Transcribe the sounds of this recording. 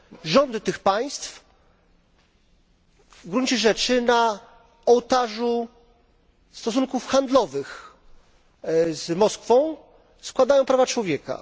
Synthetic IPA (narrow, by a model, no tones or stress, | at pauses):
ʐɔnd̪ɘt̪ɘxpaj̃st̪f | ɡɾuɲt͡ɕɛʐɛt͡ʂɘna | ɔwt̪aʐu | st̪ɔsuŋkufxand̪lɔvɘx | zmɔskfɔ̃w̃ | skwad̪ajɔ̃w̃pɾavat͡ʂwɔvʲjɛka̰